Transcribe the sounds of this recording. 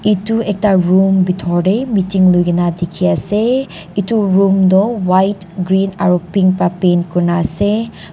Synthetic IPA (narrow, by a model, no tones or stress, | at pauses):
ituek̚taɾumbitʰɔɾejmitiŋlujɡinadekʰiase | ituɾumdɔwajtɡɾina̰ɾupiŋpapenkuɾnase